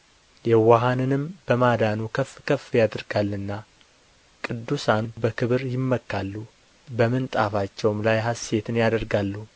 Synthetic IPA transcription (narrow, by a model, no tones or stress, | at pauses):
jɛwaɦanɨnɨmbəmad̪anukʰəfkʰəfːjad̪ɾɡalːɨnːa | kʼɨd̪ːusanbəkʰɨβɨɾjɪmːəkːalːu | bəmɨnt̪ʼafat͡ʃːɛwmlajɦase̞t̪ʰɨnjad̪əɾɡalːu